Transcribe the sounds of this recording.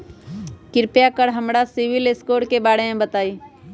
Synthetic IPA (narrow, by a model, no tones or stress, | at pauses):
kɪɾpjakəɾɦəmɾasɪʋɪleskoːʈkebaːɽemẽbət̪aːiː